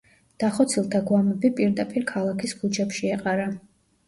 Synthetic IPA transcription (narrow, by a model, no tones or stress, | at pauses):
d̪̥aχɔt̪sʰilˠt̪ʰaɡwamɛbipʼiɾd̪apʼiɾkʰalˠakʰisɡud͡ʒɛpʃiɛqʼaɾa